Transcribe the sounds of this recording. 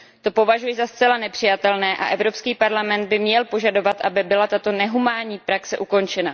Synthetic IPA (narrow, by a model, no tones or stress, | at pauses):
t̪o̞po̞vaʒujɪzast͡sɛlanɛpr̥ɪjat̪ɛlnɛːʔa̰ʔɛvɾo̞pskiːpaɾlamɛnd̪̚bɪmɲɛlpo̞ʒado̞vat̪ʔabɪbɪlat̪at̪o̞nɛɦumaːɲiːpɾaksɛʔuko̞nt͡ʃɛna